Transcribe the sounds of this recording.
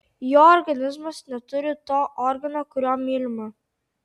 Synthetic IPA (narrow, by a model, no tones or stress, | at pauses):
joːɔɾɡɐnʲɪzmɐsnʲɛt̪ʊɾʲɪt̪oːʔɔɾɡɐnokʊɾʲɔːmʲilʲmɐ